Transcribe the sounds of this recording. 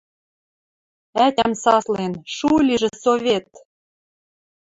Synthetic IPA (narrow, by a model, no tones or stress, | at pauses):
æt̪ʲæmsɑslenʃulʲiʒɘ̆soβʲet̪̚